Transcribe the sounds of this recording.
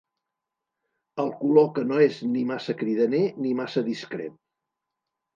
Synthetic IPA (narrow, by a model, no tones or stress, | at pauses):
əlˠkulokənoeznimasəkɾiðənenimasəðiskɾḛt̪̚